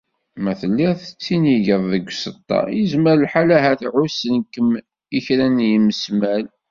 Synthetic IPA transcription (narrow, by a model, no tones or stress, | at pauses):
mæθəlːiθət͡sːiniʝəðˤðəɡʷːsət̪ˤːɑ̰jizməɾəlħalæɦæθʕusənkəm | içɾænjəməsmæl